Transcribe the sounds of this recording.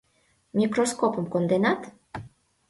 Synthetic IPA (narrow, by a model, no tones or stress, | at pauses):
mʲikɾoskopomkond̪enat̪